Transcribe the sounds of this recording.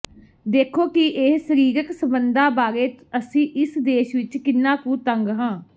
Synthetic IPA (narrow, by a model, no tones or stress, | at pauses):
d̪eːkʰoːkɪʔesəɾiːɾəksəmbənd̪aːbaːɾeːt̪əsĩːʔɪsd̪eːʃʋɪt͡ʃkɪnːãːkũːt̪əŋɡɦãː